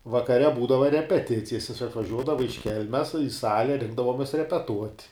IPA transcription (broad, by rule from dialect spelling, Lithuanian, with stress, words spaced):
ʋɐkɐˈrʲɛ ˈbuːdɐʋɐ rʲɛpʲɛˈtʲɪt͡sʲɪjɛs jɪs ɐtʋɐˈʒʲuɔdɐʋɐ ɪʃ ˈkʲɛlʲmʲɛs ɪ ˈsɑːlʲɛ ˈrʲɪŋɡdɐʋoːmʲɛs rʲɛpʲɛˈtuɔtʲ